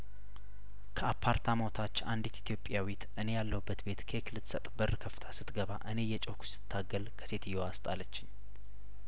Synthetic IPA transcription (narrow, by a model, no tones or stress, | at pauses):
kʰəapʰːaɾt̪ʰamot̪ʰat͡ʃːand̪it̪it̪ʰijo̞pʼjawit̪ʔɨne̞jalːəubːət̪be̞t̪kʰəɛkʰɨlɨt̪sət̪ʼbərːəkʰəft̪ʰḁsɨt̪ɡəβa̰ʔɨne̞jɛt͡ʃʼokʰu̥sɨ̥t̪ʰːaɡəlkʰə̥se̞t̪ʰɨjːoast̪ʼalət͡ʃːɪɲ